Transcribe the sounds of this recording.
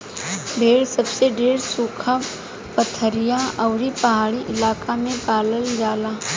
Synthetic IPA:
bʱeːɽsəbseɖeːɾsuːkʰa | pət̪ʰəɾɪjãʔɐːɾipɐɦaːɽiʔɪlaːkamẽpaːləld͡ʒaːla

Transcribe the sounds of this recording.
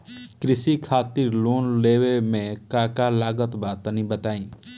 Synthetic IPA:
kɾɪsikʰat̪iɾlonlewemẽkakalaːɡət̪bat̪ənĩbət̪aːĩ

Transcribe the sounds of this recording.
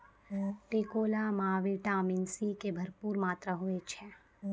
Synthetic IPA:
peːkoːlamaːʋiʈaːmɪnsikebʱɐɾpuːɾmaːt̪ɾaɦoet͡ʃʰɛ

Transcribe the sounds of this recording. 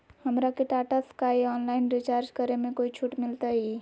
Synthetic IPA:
həmɾakeʈaːʈaskaeɔːnlaːɪnɾɪt͡ʃaːɾd͡ʒkəɾemẽkoːit͡ʃʰuʈmɪlt̪aɦi

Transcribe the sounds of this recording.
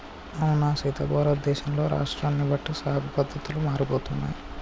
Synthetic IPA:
ɐwunaːsiːt̪ɐbɔːɾɐd̪ːɛːʃɐmlo̞ːɾʔa̰ːʂʈɾaːnːibɐʈːisaːɡʱɐpɐd̪ʱːɐt̪ulumaːɾiboːt̪unːa̰ːji

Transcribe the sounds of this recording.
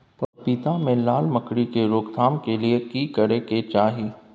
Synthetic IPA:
pɐpit̪amẽlaːlməkɽikeɾoːɡd̪ʰʱaːmkeliekiːkɐɾeket͡ʃaːɦi

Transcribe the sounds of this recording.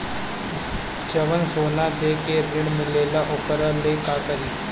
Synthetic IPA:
t͡ʃəʋənsoːlãːd̪eːkeːɾɪɳmɪleːlaːʔʊkəɾaleːkaːkəɾiː

